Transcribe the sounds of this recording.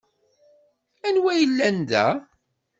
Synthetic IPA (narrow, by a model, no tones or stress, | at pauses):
ænwæjəlːænd̪æ̰